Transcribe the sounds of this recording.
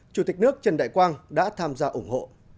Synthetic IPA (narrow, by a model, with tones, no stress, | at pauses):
t͡ɕu˧˩t̪i˨˩k̟̚nɨ˦˥ək̚t͡ɕə˨˩nɗa̰ː˧˨jkwaː˧nɗa̰ː˧˥t̪ʰaː˧mzaː˧ʔʊ˧˩ŋ͡mho̰˧˨